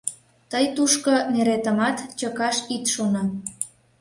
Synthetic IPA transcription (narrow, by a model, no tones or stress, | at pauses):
t̪əjt̪uʃkoneɾet̪ə̆mɑt̪t͡ɕəkɑʃit̪ʃonɑ